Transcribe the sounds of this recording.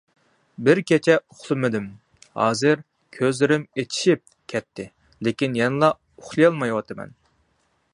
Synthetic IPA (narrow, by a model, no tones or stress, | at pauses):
bɪɾkʲɛt͡ʃʰɛʊχlˠɨmɨd̪ɪm | hɑ̰ːzɨɾ | kʲʰøzlɪɾɪmet̪ʰi̥ʃip̚ | kʲʰɛt̪ʰːɪ | lɪkʲinjɛnɨlˠɑ | ʊχlˠɨjɑlˠmɑjwɑt̪ʰɨmɛ̰n